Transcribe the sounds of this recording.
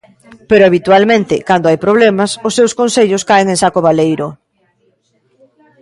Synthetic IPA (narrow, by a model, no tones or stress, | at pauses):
peɾoaβit̪ualmẽnt̪ɪkand̪oajpɾoβ̞lemasʊsːewskõnseʎʊskaeŋẽŋsakoβ̞alejɾo